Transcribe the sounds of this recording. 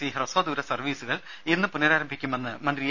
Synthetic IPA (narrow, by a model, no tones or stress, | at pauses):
iɦɐrɐsoːd̪uːɾɐsɐrʋiːsuɣɐɭ | inːɨpunːɐɾaːɾɐmbʱikʲːumenːɨmɐnd̪ɾij